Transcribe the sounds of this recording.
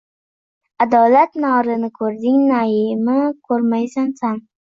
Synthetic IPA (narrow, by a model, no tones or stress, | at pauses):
ad̪ɒlat̪nɒɾɪnɪkʰɵɾd̪ɪŋnaɪmɪkʰɵɾmajsansan